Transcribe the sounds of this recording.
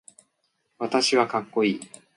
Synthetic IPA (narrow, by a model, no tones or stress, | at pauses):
βat̪aɕiβakakːo̞iː